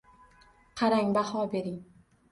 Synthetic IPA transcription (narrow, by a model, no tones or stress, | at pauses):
qʰɑɾaŋbahɒbe̞ɾɪŋ